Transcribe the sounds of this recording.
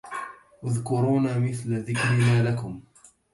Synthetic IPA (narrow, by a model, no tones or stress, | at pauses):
ʔʊðkʊɾuːnamɪθlðɪkɾɪnaːlakʊm